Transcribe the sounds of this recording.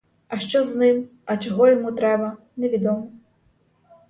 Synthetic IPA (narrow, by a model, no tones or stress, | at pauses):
ɐʃt͡ʃɔznɪm | ɐt͡ʃɔɦɔjɔmut̪ɾɛbɐ | nɛʋʲid̪ɔmɔ